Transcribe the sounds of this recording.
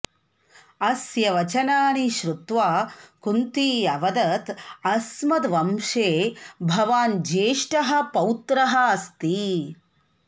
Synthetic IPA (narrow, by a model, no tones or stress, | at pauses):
ɐsjɐʋɐt͡ʃɐnaːniʃɾut̪ʋaːkunt̪iːɐʋɐd̪ɐt̪ɐsmɐd̪ʋɐmʃeːbʱɐʋaːnd͡ʒeːʂʈɐɦɐ̆pɐwt̪ɾɐɦɐɐst̪i